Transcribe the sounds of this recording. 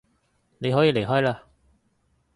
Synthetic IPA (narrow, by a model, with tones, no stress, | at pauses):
le˨˥jɦɔː˥˩jle˨˩jɦɔː˥˩jla˧